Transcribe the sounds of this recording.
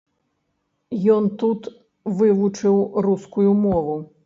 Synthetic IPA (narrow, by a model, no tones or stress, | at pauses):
jɔnt̪ut̪ | vɨvut͡ʂɨwruskujumɔvu